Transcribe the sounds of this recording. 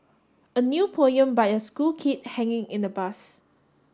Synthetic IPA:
ənjupʰonjə̃mbajəskulkʰit̚hɛ̃ŋɪ̃ŋĩndəbas

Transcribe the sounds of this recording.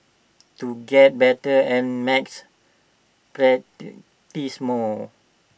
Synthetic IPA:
tuɡɛt̚bɛtəɛ̃nmɛks | pɹɛ | tismɔ

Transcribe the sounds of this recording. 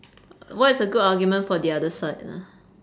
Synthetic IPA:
wɔtɪsəɡʊdaɡjumə̃nfɔdiadəsaɪtnə̰

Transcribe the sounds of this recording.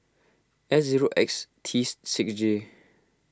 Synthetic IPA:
ɛsziɹoʔɛ̰kstʰissɪksd͡ʒe

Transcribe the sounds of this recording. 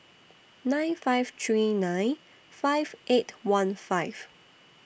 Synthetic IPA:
nãjnfaɪv̥t̪ʰɹinãj̃n | faɪv̥ʔetwãnfaɪv̥

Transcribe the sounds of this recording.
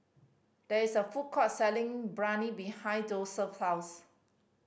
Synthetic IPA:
d̥ɛisəfut̚kʰɔtsɛlɪ̃ŋbɹãnibihãjdosəfhaws

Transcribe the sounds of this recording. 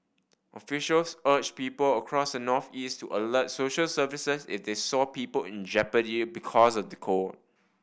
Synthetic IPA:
ʔɔfiʃəlsət͡ʃpiːpələkʰɹɔsdənɔθistʰuʔələt̚soʃəlsəvisəsḭfdesɔpiːpəlɪ̃nd͡ʒɛpənibikʰɔsɔfdəkʰot̚

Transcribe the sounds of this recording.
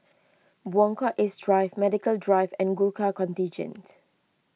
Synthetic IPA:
bwɔ̃ŋkɔʔɪsdɹaɪvmɛdɪkəldɹaɪvɛ̃nɡulkakɔ̃ntĩnd͡ʒə̰̃nt

